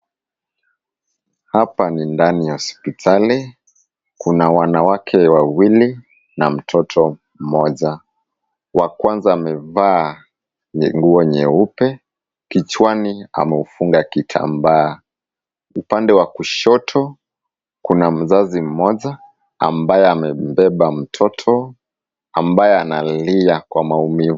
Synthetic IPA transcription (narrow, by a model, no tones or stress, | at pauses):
hapanindanijahɔspitʰali | kunawanawakʰɛwawili | nam̩tʰɔtʰɔ | m̩mɔʄa | wakwanzaːmɛvaː | ɛŋɡuɔɲɛupɛ | kit͡ʃwania̰mɛufuŋɡakitʰa̰mbaː | upandɛwakuʃɔtʰɔ | kunam̩zazim̩mɔʄa | a̰mbajɛamɛm̩bɛɓam̩tʰɔtʰɔ | ambajɛanaliakwamaumiv